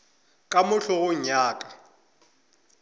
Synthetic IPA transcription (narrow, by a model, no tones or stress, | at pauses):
kʼamʊɬʊɣʊɲaːkʼa